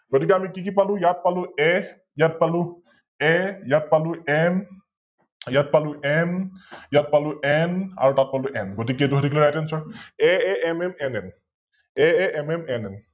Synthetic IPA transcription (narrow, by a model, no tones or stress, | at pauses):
b̥at̪ikamikikipalujat̪̚paluɛ | jat̪̚palu | ɛjat̪̚paluʔɛn | jat̪̚paluʔɛnjat̪̚paluʔɛna̰ɾot̪at̪̚paluʔɛnbɔt̪iket̪uɦɾiɡliɾat̪ɛnsɔɛɛɛmɛmɛnɛn | ɛɛɛmɛmɛnɛn